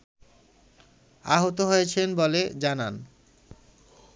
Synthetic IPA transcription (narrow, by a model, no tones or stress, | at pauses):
a̰ɦot̪̬oɦojet͡ɕʰenboled͡ʑanan